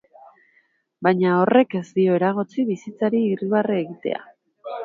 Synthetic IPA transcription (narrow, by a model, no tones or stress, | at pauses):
bajɲao̞re̞ke̞zd̪io̞e̞ɾaɣ̞ot͡siβisit͡saɾiːriβarieɣit̪e̞̰a̰